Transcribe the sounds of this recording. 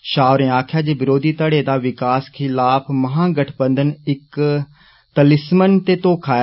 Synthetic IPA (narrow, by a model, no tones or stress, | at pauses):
ʃaːʊɾẽːaːkʰjaːd͡ʒeːbɪɾoːd̪iːt̪əɽeːd̪aːʋɪkaːskʰɪlaːpʰməɦãːɡəʈʰbənd̪ənɪk | t̪əlɪsmənt̪eːt̪õːkʰaː